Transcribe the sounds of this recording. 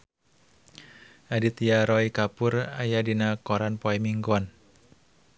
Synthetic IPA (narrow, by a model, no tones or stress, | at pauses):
ʔadit̪jaɾɔikapʊrajadinakɔɾanpoɛmiŋɡwan